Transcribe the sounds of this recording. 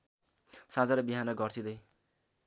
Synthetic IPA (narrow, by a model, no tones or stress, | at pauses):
sãd͡zaɾʌbiɦanʌɡʌrsid̪ʌj